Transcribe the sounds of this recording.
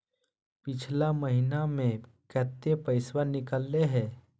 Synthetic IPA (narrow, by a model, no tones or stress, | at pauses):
pɪt͡ʃʰlaməɦinamẽ | kət̪ːepəɪswəɾnɪkəlːeɦɛː